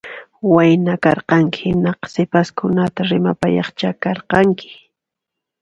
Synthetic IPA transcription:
wajnakɑɾqɑŋkɪhɪnɑqsɪpaskʊnat̪aɾɪma̰pajɑ̰χt͡ʃakɑɾqɑŋkɪ̥

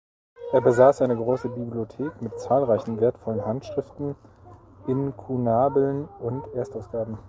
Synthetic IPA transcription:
ʔeːɐbəzaːsʔaɪnəɡʁoːsəbibliotʰeːkmɪtt͡saːlʁaɪçn̩veːɐtfɔlənɦantʃʁ̥ɪftn̩ | ʔɪnkʰunaːbl̩nʊntʔeːɐstaʊsɡ̥aːbm̩

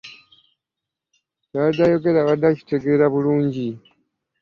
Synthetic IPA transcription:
cadajoɡe̞ɾaβadaci̥teɡe̞ːɾaβuluːɲɟi

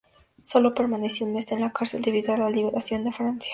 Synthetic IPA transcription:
so̞lo̞pe̞ɾmaneseunme̞senlakaɾseld̪eβiðoalaliβeɾʔasjo̞nd̪e̞fɾansjḁ

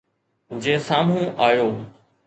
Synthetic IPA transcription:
d͡ʑeːsaːm̤ũʔaːjoː

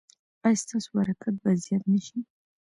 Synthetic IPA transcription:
ajst̪ʰasubaɾakʰat̪̚bazijat̪naʃi

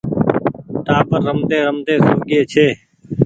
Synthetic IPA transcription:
ʈ̪aːpəɾːəmd̪eːɾəmd̪eːsəːɡeːt͡ʃʰeː

